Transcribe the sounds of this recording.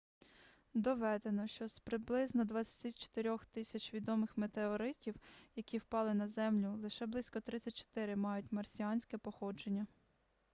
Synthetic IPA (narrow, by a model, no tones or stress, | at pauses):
d̪ɔʋɛd̪e̞nɔʃt͡ʃɔspɾɪblˠɪznɔd̪ʋɑt͡sʲɐ̥t̪ʲit͡ʃɔ̥t̪eɾʲɔxt̪ɪsʲɐt͡ʃʋʲid̪ɔmɪxmet̪eɔɾɪtʲiwjɐkʲiwpɑlˠɪnɐzɛmlʲʊlˠɪʃɛblˠɪsʲkɔt̪ɾɪt͡sʲːɐt̚ʲt͡ʃɔ̥t̪ɪɾɪmɑjʊtʲmɐrsʲijɑnʲsʲkɛpɔxɔd͡ʒe̞nʲːɐ